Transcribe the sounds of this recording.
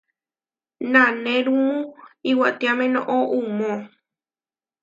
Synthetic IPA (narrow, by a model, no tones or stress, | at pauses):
nãnẽɾũmũiwat̪iamẽnõʔoʔumõ